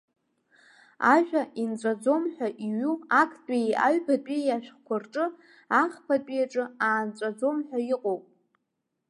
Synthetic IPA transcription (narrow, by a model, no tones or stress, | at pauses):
aʒᶣaʔint͡sʷʼad͡zo̞mħʷᶣaʔiɥuakʰtʼia̰ɥpʰadʼijaʃᶣχkʷʰarʈ͡ʂʼɨ | aχpʰatʼijaʈ͡ʂʼɨaːnt͡sʷʼad͡zo̞mħʷᶣaiqʼowpʼ